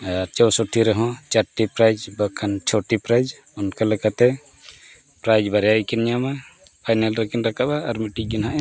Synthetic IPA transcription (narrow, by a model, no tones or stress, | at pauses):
aɾt͡ʃɔwsɔʈʰiɾɛɦɔ̃t͡ʃaɾʈipɾajd͡ʒbakʰant͡ʃʰɔʈipɾajd͡ʒ | ɔnkalɛkat̪ɛ | pɾajd͡ʒbaɾjajkɛnɲama | pʰajnalɾɛkinɾakaʔaːɾmiʈik̚ɡinɦaʔɛ